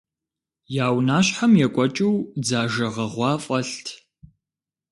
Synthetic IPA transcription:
jaːwnaːɕħamjɛkʷʼɔt͡ʃʼɨwd͡zaːʒɐʁɐʁʷɑːfʼɐɬtʰ

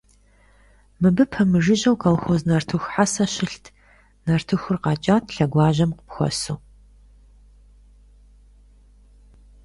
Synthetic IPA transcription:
mɨbɨpʰɐmɨʒɪʑɐwkʰʼɐlxoːznɐrtʰɨxʷħasɐɕɪɬtʰ | nɐrtʰɨxʷʊrqɑːt͡ʃʼaːtʰɬɐɡʷaːʑɐmqəpxʷɔ̰suː

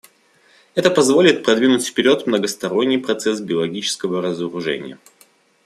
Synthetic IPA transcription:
ɛt̪əpɐzvo̞lʲɪt̪̚pɾɐd̪vʲinʊtʲfʲpʲɪɾʲo̞t̪mnəɡəst̪ɐɾo̞nʲːɪjpɾɐt̪sɛs̬bʲɪəlˠɐɡʲit͡ɕɪ̥skəvəɾəzəɾʊʐɛ̰nʲɪ̰jə̰

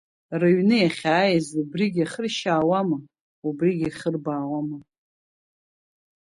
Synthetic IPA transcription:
rɨɥnɨjaχʲaːjazubriɡʲaχərʃaːwamɨ | ubriɡʲaχərbaːwamɨ

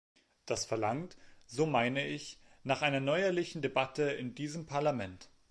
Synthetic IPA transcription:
d̥asfɛɐlaŋtz̥oːmaɪnəɪçnaːχʔaɪnɐnɔʏɐlɪçn̩debatʰəɪndiːzəmpʰaɐlamɛnt

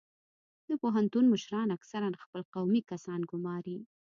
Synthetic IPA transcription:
d̪əpoɦant̪unməʃɾɑnaksaɾanxpəlqawmikasɑnɡʊmɑɾi

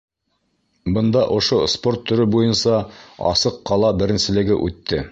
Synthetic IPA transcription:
bɤ̆nd̪ɑʔŏʃospo̞rt̪ʰːɵ̆ɾɵbujɤnsɑɑ̰sɤqːɑlˠɑbɘ̆ɾɘ̆nsɘ̆lɘ̆ɡɘ̰ʔʉt̪ːɘ

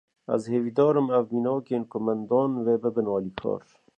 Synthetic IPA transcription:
a̰zheːvid̪ɔːɾɨmavminɔːkeːnkʊmand̪ɑːnveːbəbənɑːlikʰɑ̰ːɾ

